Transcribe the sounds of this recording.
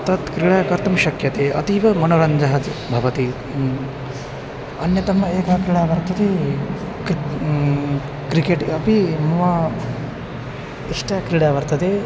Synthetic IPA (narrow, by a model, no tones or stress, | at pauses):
t̪ɐt̪kɾiɽaːkɐɾt̪ɐmʃɐkjɐt̪eːʔɐ̰t̪iʋɐmɐnoɾɐɲd͡ʒɐɦɐt̪ibʱɐʋɐt̪i | ɐnjɐt̪ɐmɐeːkɐkɾiɽaːʋɐɾt̪ɐt̪e | k | kɾikeːʈɐpimɐʋa | iʂʈɐkɾiɽaːʋɐɾt̪ɐt̪eː